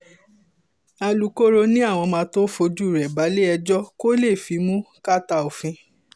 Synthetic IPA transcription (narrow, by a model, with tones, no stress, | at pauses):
a˧lu˨˦ko˦ɾo˧nĩ˦a˦˨w̃ɔ̃˧mãː˧˦to˦fo˧d͡ʒu˦˨ɾɛ˨ba˨˦le˦ɛ˧d͡ʒɔ˦ko˦le˦˨fi˨˧˦mũ˦ | ka˦ta˧˨o˨fĩ˧